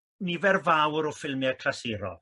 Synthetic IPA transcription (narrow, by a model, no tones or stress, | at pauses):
nivɛrvawɾɔfɪlˠmɪakʰlasɪːɾɔ̰